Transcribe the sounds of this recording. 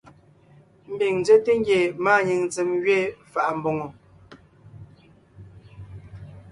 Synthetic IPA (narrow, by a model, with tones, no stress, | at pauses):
m̩˦bi˨ŋn˦d͡ze˦te˦ŋ˦ɡje˨maː˦˨ɲi˨ŋt͡se˨mɡɥe˦fa˨ʔm̩˦bo˨ŋo˨